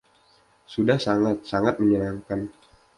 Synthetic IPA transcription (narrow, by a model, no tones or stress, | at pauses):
sudahsaŋat̪̚saŋat̪̚məɲənaŋkan